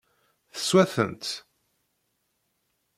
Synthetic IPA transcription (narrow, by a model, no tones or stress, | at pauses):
θə̥swæθə̰nt̪